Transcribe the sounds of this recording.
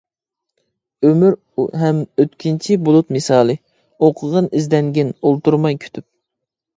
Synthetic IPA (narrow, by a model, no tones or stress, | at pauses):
ømyɾ | ɦɛmøt̪kʲʰint͡ʃʰibolˠut̪mɨsɑːlˠɨ | oqʰəʁənɪzd̪ɛŋɡʲinolˠt̪uɾmɑjkʲʰy̥t̪ʰyp̚